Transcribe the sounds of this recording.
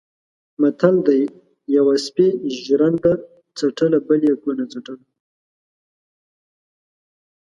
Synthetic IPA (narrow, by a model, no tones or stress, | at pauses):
mat̪ʰald̪aj | jawaspeʒɾand̪a | t͡saʈəlabəljakunat͡saʈəl